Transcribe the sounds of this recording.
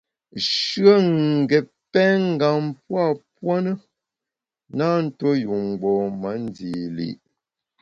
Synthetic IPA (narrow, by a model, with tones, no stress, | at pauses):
ʃɰə˦ŋ˨ɡɛ˨ | pɛ˦ŋ̩˦ɡa˨m˦pwa˦˨pwa˦nə˦ | na˦n̩˦to˦ju˨ŋ˨ɡ͡bɔ˨mə˨˦n˦di˨lḭ˦˨ʔ